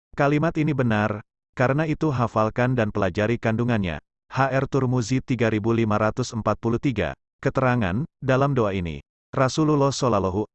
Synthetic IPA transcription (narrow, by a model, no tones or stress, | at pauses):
kalimat̪inibənar | kaɾənait̪uɦafalkandanpəlad͡ʒaɾikanduŋanɲa̰ | haʔɛrt̪urmuzit̪iɡaɾibulimaɾat̪ʊsəmpat̪̚pulut̪iɡa̰ | kət̪əɾaŋa̰ndalamdoainḭ | rasululɔsolalɔɦu